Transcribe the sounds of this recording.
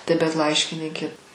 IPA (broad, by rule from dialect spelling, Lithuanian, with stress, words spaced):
tɐɪ bʲɛt ˈlˠɐɪʃʲkʲɪnʲiːkʲeː